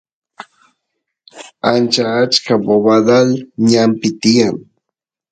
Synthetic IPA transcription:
ant͡ʃaːt͡ʃkaboβad̪alɲampɪt̪ijaŋ

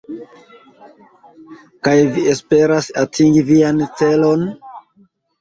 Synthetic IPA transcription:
kajviespe̞ɾasatʰiŋɡiviant͡se̞lo̞n

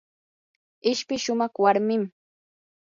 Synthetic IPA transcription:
ɪʃpɪʃʊmɑχwaɾmɪm

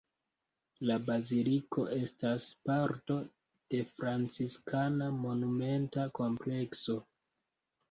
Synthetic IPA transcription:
labaziliko̞ʔe̞staspaɾto̞ | d̥e̞fɾant͡siskanamo̞nume̞ntako̞mple̞kso̞

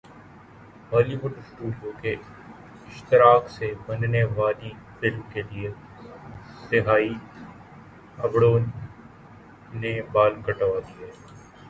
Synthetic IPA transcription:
ʋaːliʋʊʈsʈuːɖijõke | ɪʃt̪ɪɾaːksebɐnneʋaːli | fɪlmkelie | sɪɦaːi | ɐbɽoːn | ebaːlkɐʈːʋakia

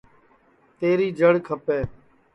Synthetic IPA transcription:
t̪eːɾiːd͡ʒəɽkʰəpeː

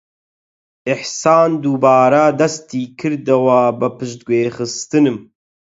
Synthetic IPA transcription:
ʔɪħsaːnd̪ubaːɾɐd̪ɐst̪iːkʰɨɾd̪ɐwɐbɨpɨʃt̪̚ɡweːxɨst̪ɨnɨm

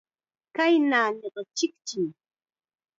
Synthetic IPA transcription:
kajnaːɲoɢɑt͡ʃɪkt͡ʃɪŋ

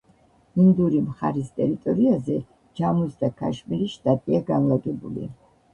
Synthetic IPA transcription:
ind̪uɾimχa̰ɾist̪ʼɛɾit̪ʼɔɾiazɛ | d͡ʒamusd̪akʰa̰ʃmiɾiʃt̪ʼat̪ʼiaɡanlˠaɡɛbṵlḭ

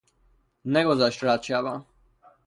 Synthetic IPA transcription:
nɛɡɔzaʃt̪ɾat͡ʃjava

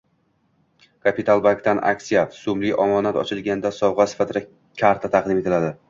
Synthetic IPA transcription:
kʰapit̪ʰalˠbaŋkt̪ʰanʔa̰kʲsijafsʊmlɪjʔɒmɒnat̪ɒ̰t͡ʃʰɪlɡʲand̪asɒwʁɑsɪ̥fat̪ʰɪd̪a | kʲʰaɾt̪ʰat̪ʰɑqd̪ɪme̞t̪ʰɪlad̪ɪ

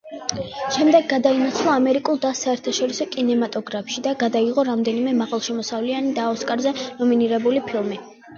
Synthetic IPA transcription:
ʃɛmd̪ɛɡːad̪ainat̪sʰlˠaːmɛɾikʼulˠd̪asaɛɾt̪ʰaʃɔɾisɔkʼinɛmat̪ʼɔɡɾapʰʃid̪aɡad̪aiʁɔɾamd̪ɛnimɛmaʁalˠʃɛmɔsavlianid̪aɔskʼaɾzɛnɔminiɾɛbulipʰilˠmi

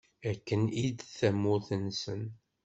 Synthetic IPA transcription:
ækːənid̪θæmːʊθənsən

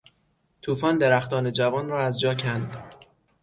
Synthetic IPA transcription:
t̪ʰuːfɒːnd̪e̞ɾæxt̪ɒːne̞d͡ʒævɒːnrɒːæzd͡ʒɒːcʰænd̪

